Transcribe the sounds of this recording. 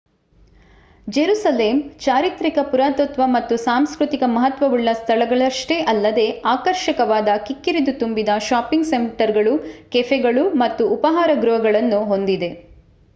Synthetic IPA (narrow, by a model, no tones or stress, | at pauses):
d͡ʒeɾuːsɐleːmt͡ʃaːɾit̪ɾikɐpuɾaːt̪ot̪ʋɐmɐt̪ːusaːmskɾut̪ikɐmɐɦɐt̪ʋɐʋuɭːɐst̪ʰɐɭɐɡɐɭɐʂʈeʔɐlːɐd̪e̞aːkɐɾʃɐkɐʋaːd̪ɐkikːiɾid̪ut̪umbid̪ɐʃaːpiŋɡsemʈɐɾɡɐɭukefeɡɐɭumɐt̪ːuːpɐɦaːɾɐɡɾuɦɐɡɐɭɐnːuɦo̞nd̪id̪e̞